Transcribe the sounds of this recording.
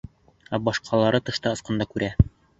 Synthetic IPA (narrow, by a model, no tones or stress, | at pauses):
æbɒʃqʰɑlˠɑɾɤt̪ɤ̆ʃt̪ɑɤ̆sqɤ̆nd̪ɑkʉɾʔæ